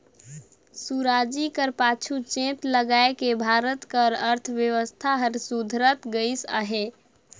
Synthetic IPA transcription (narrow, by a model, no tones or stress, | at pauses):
suɾad͡ʒikəɾpat͡ʃʰut͡ʃẽt̪ləɡaekebʱaɾət̪kəɾəɾt̪ʰʋjəʋəst̪ʰaɦəɾsud̪ʱɾət̪ɡəɪsə̰ɦe